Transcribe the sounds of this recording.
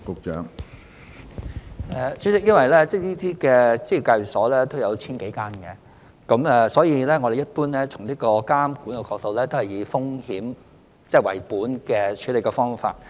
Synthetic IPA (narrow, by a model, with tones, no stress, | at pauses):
kʊ˨k̚t͡ʃœ̰ː˨˥ŋ | ɛː˧˩t͡ʃʰy˨˥sɪ˨k̚jɐ˥nwɐ˨˩jlɛː˥t͡sɛː˥liː˥t̪iː˥kɛː˧t͡si˥ji˧˩kaː˧ɥsɔː˨˥lɛː˥t̪o˥wjɐ˨˧wt͡sʰiː˥nke˨˥jkaː˥nkɛ˧ | kɐ˨˧˥mɛ˨˧sɔː˨˥jiː˨˧lɛ˥ŋɔ˨˧ɾe˨jɐ˥t̚puː˥nlɛː˥t͡sʰʊ˨˩ŋliː˥kɔː˧kaː˥mkuː˨˥nɐ˧wkɔː˧k̚t̪o˧wlɛː˥t̪o˥whɐ˨˩jiː˨˧fʊ˥ŋhiː˨˥m | t͡sɛː˥˩wɐ̰˨˩jpuː˨˥nkɛː˧t͡ʃʰyː˨˥le˨˩kɔː˧fɔː˥ŋfa̰ː˧t̚